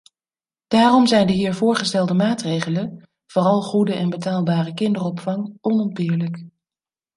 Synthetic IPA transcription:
d̥aːrɔmzɛjndəɦiːɹvʊːɹχəstɛlˠdəmaːtrejχələn | v̥ʊːrɑlˠχudəʔɛnbətaːlˠbaːrəkɪndərɔpfɑŋʔɔnɔnpɪːɹlək

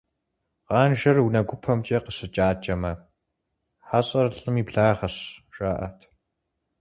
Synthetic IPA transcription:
qɑːnʒɐrwnɐɡʷʊpʰɐmt͡ʃʼɐqəɕɨt͡ʃʼaːt͡ʃɐmɐ | ħaɕʼɐrɬʼɨmiːbɮaːʁɐɕʒʼaːʔɐ̰tʰ

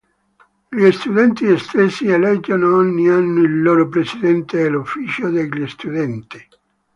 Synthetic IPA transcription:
ʎist̪ud̪ɛnt̪iest̪esːielɛd͡ʒːanoɔɲːianːoilːoːɾopɾesid̪ɛnt̪eːlufːiːt͡ʃod̪eʎːist̪ud̪ɛnt̪i

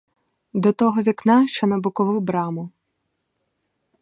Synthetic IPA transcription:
d̪ɔt̪ɔɦɔʋʲiknɑʃt͡ʃɔnɐbʊkɔʋɪwbɾɑmʊ

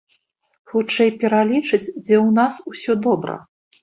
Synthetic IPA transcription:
xut͡ʂɛjpʲɛɾalʲit͡ʂɨd͡zʲd͡zʲɛwnasusʲɔd̪ɔbɾɐ̰

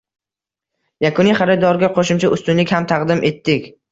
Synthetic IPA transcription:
jakʰʊniχaɾɪd̪ɒɾɡʲaqʰoʃɪmt͡ʃʰaʔʊst̪ʊnlɪkʲhamt̪ʰɑqd̪ɪmʔe̞t̪ːɪkʲ

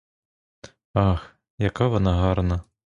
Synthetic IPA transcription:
ɑx | jɐkaʋɔnaɦɑrnɐ

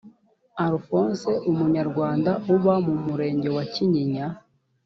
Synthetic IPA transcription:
aɾufonse̞ʔumuɲaɾɡwaːndauβamumuɾe̞ːɲɟe̞waciɲiɲa

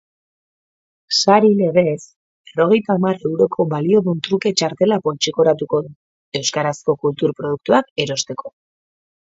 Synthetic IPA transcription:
saɾile̞ɣ̞e̞s | e̞ro̞ɣ̞e̞jt̪aːmaɾe̞wɾo̞kʰo̞βalio̞ðunt̪ɾuke̞t͡ʃaɾt̪e̞lapo̞lt͡ʃiko̞ɾat̪uko̞ðu | e̞wskaɾasko̞kult̪uɾpɾo̞ð̞uk̚t̪uake̞ɾo̞st̪e̞kʰo̞

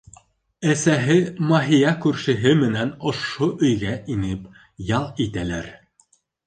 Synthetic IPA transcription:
æsæɦɘmɑɦijɑkʉɾʃɘ̆ɦɘmɘ̆nænŏʃoʔɵ̆jɡæʔinɘp | jɑlˠit̪ælæɾ

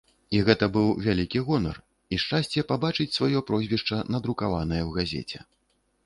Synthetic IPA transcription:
iɣɛt̪ɐbɨwvʲalʲikʲiɣɔnɐ̰r | iʂt͡ʂasʲt͡sʲɛpabat͡ʂɨt͡sʲsvajɔpɾɔzʲvʲɛʂt͡ʂɐnɐd̪ɾukavanɐjɐwɣazʲɛ̰t͡sʲɛ

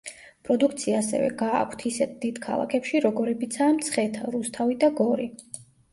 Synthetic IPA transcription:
pʼɾɔd̪ukʰt̪sʰiaːsɛ̰vɛ̰ɡa̰ːkʷʰt̪ʰisɛt̪̚ʰd̪̥id̪̥kʰa̰lˠa̰kʰɛpʃiɾɔɡɔɾɛbit̪sʰaːmt̪sʰχɛt̪ʰaɾust̪ʰavid̪aɡɔɾi

